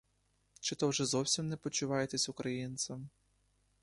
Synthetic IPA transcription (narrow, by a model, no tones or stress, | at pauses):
t͡ʃɪt̪ɔwʒɛzɔwsʲimnɛpɔt͡ʃʊʋɑjet̪ɛsʲʊkɾɐjint̪sʲɐm